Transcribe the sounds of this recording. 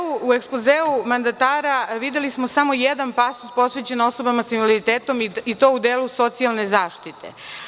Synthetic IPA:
uue̞ksplozeːumand̪at̪aːɾaʋid̪jelismosamo̞jed̪anpast̪uspo̞sʋet͡ɕeno̞sobamasinvaliɾit̪eːt̪o̞mit̪o̞ːud̪eːluso̞t̪sialˠne̞zaːʃt̪it̪ḛ

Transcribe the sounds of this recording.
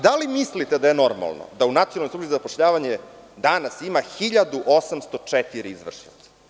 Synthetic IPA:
d̪alimislit̪ed̪ajeno̞ɾma̰lno̰d̪aunat̪ionalnojsuʈ͡ʂizapoʃʎaːʋaɲe | d̪anasimaxiʎad̪uʔosamst̪o̞t͡ʂet̪iɾɛizʋr̩ʂnḭḁ

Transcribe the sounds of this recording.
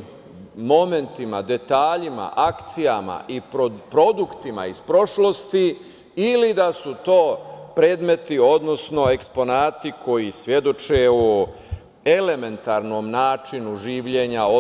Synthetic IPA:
mo̞me̞nt̪ima̰d̪e̞t̪aːʎima̰ʔakt̪sijama̰ʔipopɾo̞d̪ukt̪ima̰ispɾo̞ʃlo̞st̪i | ilid̪asut̪o̞ːpɾe̞ːd̪me̞t̪io̞d̪no̞sno̞e̞kspo̞naːt̪ikʰo̞jisʋje̞d̪o̞t͡ʃeo | ele̞me̞nt̪aːɾno̞ːmnaːt͡ʃinuʒiːʋʎe̞ɲao

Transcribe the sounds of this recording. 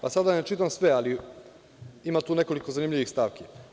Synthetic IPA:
pasad̪anet͡ʃit̪amsʋe̞ali | imat̪uːne̞ko̞likozanimʎʲiʋixst̪aːʋki

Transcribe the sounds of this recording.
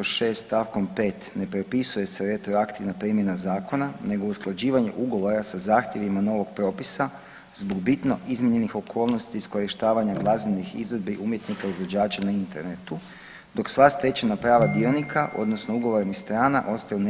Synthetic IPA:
oʃeːst̪t̪aʋko̞mpe̞ːt̪ne̞pɾopisuje̞se̞ɾe̞t̪ɾoakt̪iʋnapɾimje̞nazaːko̞nane̞ɡo̞usklˠad͡ʑiːʋaɲḛʔuɡo̞ʋo̞ɾasazaːxt̪je̞ʋimano̞ʋo̞ɡ̚pɾo̞ːpisa | zboɡbit̪no̞izmiɲe̞nixo̞kʰo̞ːlˠno̞st̪iːsko̞ɾiʃt̪aːʋaɲaɡlˠazinnixḭzʋod̪biʔumje̞t̪nikaizʋo̞d͡ʑaːt͡ʃanaint̪e̞ɾnet̪u | d̪o̞ksʋast̪ɾe̞t͡ʃenapɾaːʋad̪io̞nikʰaʔo̞̰d̪no̞sno̞uɡo̞ʋo̞ɾnist̪ɾaːna̰ʔo̞st̪ajun

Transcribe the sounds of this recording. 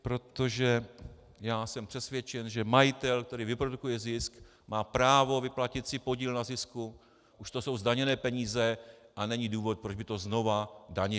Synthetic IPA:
pɾo̞t̪o̞ʒɛ | jaːsɛmpr̥ɛsvjɛt͡ʃɛnʒɛmajɪt̪ɛlk̚t̪ɛɾiːvɪpɾo̞dukujɛzɪsk | maːpɾaːvo̞vɪplacɪt̪sɪpo̞ɟiːlnazɪsku | ʔuʃt̪o̞so̞wzdaɲɛnɛːpɛɲiːzɛʔanɛɲiduːvo̞t̪̚pɾod͡ʒbɪt̪o̞zno̞vadaɲɛ

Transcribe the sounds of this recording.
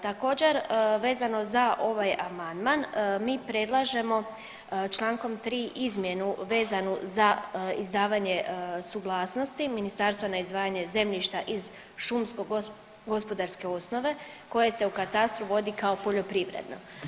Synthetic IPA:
t̪ako̞ːd͡ʑe̞ɾʋe̞ːzano̞zaʔo̞ʋajamand̪manmiːpɾe̞d̪lˠaʒe̞mo̞ | t͡ʃlˠaːŋko̞mt̪ɾiːʔizmje̞nuʋe̞ːzanuzaizd̪aːʋaɲe̞suɡlˠaːsnost̪iminist̪aɾst̪ʋanaizd̪ʋaːjaɲe̞ze̞mʎiʃt̪aʔiz | ʃumsko̞ɡ | ɡo̞spo̞d̪aɾske̞o̞sno̞ʋe̞ | ko̞je̞se̞ukat̪ast̪ɾuʋo̞d̪ikao̞po̞ʎo̞pɾiʋɾḛd̪no̞̰

